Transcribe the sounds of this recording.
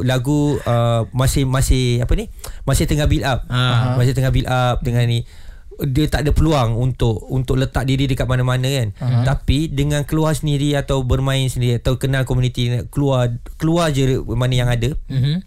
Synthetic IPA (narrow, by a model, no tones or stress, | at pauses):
laɡuəmasɪhmasɪhapənihmãsɪht̪əŋabilap̚masɪt̪əŋabilʔap̚d̪əŋanni | dət̪aʔdəpəluaŋunt̪ʊʔunt̪ʊʔlət̪aʔ̚diɾidəkat̪̚manamanə̃kant̪apidəŋãnkəluarsəndiɾiat̪awbərmãɪnsəndiɾiat̪awkənãlkomunit̪ikəluarkəluard͡ʒəmanəjaŋada